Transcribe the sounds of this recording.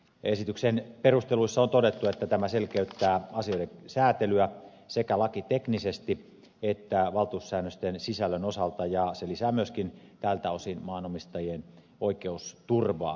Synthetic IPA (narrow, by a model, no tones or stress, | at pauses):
esit̪yksenperust̪eluisːɑont̪odet̪ːuet̪ːæt̪æmæselkeyt̪ːæːɑsioiɾesæːt̪elyæ | sekælɑkit̪eknisest̪i | et̪ːæʋɑlt̪uusːæːnːøst̪ensisælːønosɑlt̪ɑjɑselisæːmyøskin | t̪ælt̪æosinmɑːnomist̪ɑjien | oikeust̪urʋɑ̰ː